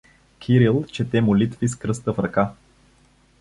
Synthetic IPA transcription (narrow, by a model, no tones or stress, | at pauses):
kʲʰiɾilˠt͡ʃɛt̪ɛmʊlit̪viskɾɤst̪əfɾɐka